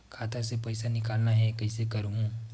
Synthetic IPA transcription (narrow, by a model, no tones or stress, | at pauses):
kʰaːt̪əɾsepɐɪsanɪkaːlnaɦɛkɐɪsekɐɾɦũː